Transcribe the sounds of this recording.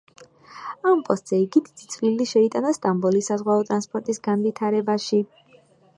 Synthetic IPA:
ampʼɔst̪ʼz̥ɛiɡid̪id̪it̪sʰʼvilːiʃɛit̪ʼanɔst̪ʼambɔlisazʁwaɔt̪ʼɾanspʼɔɾt̪ʼisɡanvit̪ʰaɾɛbaʃi

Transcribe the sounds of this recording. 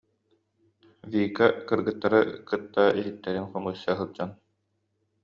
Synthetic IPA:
vʲiːkakɯɾɡɯt̪ːaɾɯkɯt̪ːaʔiɦit̪ːɛɾinχɔmɯsːaɦɯɾd͡ʑan

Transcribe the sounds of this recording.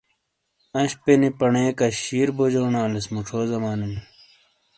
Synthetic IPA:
ɐ̃ɕpenipɐɳeːkɐɕiːɾbod͡ʑoːnãːlesmuʈ͡ʂʰoːzɐmaːnin

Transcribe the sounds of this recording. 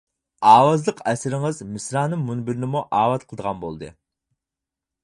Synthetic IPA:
ɑːwɑzlˠəqʰɛsɪɾɪŋɨzmɪsɾɑːnɨŋmunbɪɾɪnɪmuʔɑːwɑt̪̚qʰəlˠd̪əʁɑnbolˠd̪ɨ̰

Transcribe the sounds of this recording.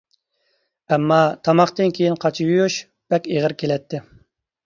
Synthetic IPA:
ɛmːɑt̪ʰɑmɑχt̪ɨnkʲʰejinqʰɑt͡ʃʰijujuʃ | b̥ɛkʲeʁəɾkʲʰelɛt̪ːɪ

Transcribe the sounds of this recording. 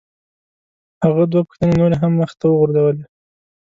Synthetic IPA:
haɣad̪wapə̥xt̪ənenoɾeɦamːəxt̪awəɣʊɾzawəle

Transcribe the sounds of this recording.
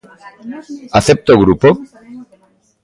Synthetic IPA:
aθep̚t̪oɣɾupo

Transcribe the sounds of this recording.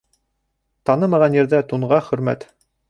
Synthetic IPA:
t̪ɑnɤmɑʁɑnjɘ̆ɾðæt̪uɴʁɑχɵ̆ɾmæ̰t̪

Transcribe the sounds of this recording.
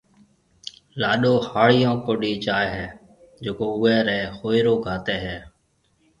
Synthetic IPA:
laːɗoːhaːɭɪjõːkoːɗiːt͡ʃaːeɦɛː | d͡ʒeːkoːʊɛːɾɛːhoːɪɾoːɡʱaːt̪eːɦɛː

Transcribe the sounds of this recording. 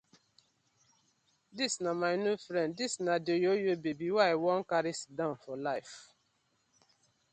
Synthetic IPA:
disnamaɪnjufɾɛ̃nddisnadejojobebiwawɔ̃nkaɾisdãʊ̃nfɔlaɪf

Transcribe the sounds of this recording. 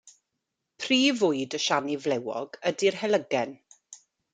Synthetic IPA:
pʰriːvʊɨdəʃanivlɛwɔ̰ɡədirhɛlˠəɡɛn

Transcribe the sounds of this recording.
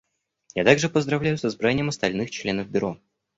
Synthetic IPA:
jat̪aɡʐɨpəzd̪ɾɐvlʲæjʊsɐzbɾanʲɪjəmɐst̪ɐlʲnɨxt͡ɕlʲe̞nəvbʲʊɾo

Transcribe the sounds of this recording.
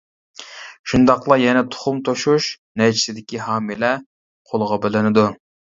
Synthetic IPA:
ʃund̪ɑqlˠɑjɛnɛt̪ʰʊ̥χʊmt̪ʰoʃuʃnɛt͡ʃʰi̥sɪd̪ɪkʲiɦɑːmilɛ | qʰolˠəʁɑbɪlɪnɪd̪u

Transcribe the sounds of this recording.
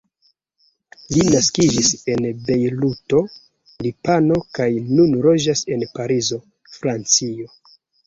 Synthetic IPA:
linaskid͡ʒise̞nbe̞jluto̞ | lipano̞kajnunɾo̞d͡ʒase̞npaɾizo̞ | fɾant͡sio̞

